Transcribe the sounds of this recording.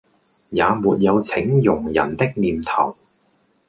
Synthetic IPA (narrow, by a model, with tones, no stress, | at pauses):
jaː˨˧muː˨t̚jɐ˨˧wt͡sʰɪ˨˥ŋjʊ˨˩ŋjɐ̰˨˩nt̪ɪ˥k̚niː˨˧mt̪ʰɐ̰˨˩w